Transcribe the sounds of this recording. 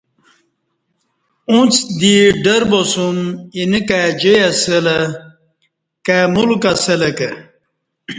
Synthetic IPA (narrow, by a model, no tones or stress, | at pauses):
ũt͡sd̪iɖɐɾbosuminikad͡ʑejasəlɐ | kamulkɐsɐlɐke